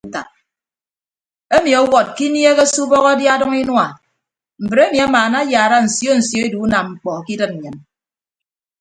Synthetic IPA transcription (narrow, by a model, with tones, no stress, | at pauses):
ta˨ | e˦mi˨ɔ˦wɔ˨t̚ki˦nje˦ɣe˦su˦bɔ˦ɣɔ˦dja˦dɔ˦ŋi˦nwa˨ | m̩˨bɾe˦mi˨a˦maː˨na˦jaː˨ɾa˦n̩˨sjo˦n̩˨sjo˦e˦du˨˦na˨mŋ͡m̩˨k͡pɔ˨ki˦dɨ˦t̚n̩˨ɲɨ˨n